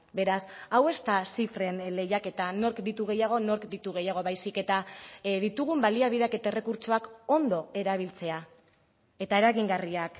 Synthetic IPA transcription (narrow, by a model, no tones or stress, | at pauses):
be̞ɾasawe̞st̪asifɾe̞nle̞jake̞t̪ano̞ɾkd̪it̪uɣ̞e̞jaɣ̞o̞no̞ɾkd̪it̪uɣ̞e̞jaɣ̞o̞βajsike̞t̪aðit̪uɣ̞umbaliaβiðeake̞t̪ae̞re̞kuɾt͡ʃo̞ako̞nd̪o̞e̞ɾaβ̞ilt͡se̞a | e̞t̪aeɾaɣiŋɡariak